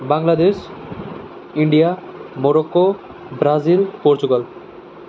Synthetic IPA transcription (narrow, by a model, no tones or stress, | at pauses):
baŋlad̪eʃ | iɳɖijamoɾokːo | bɾazilpoɾt͡ɕuɡal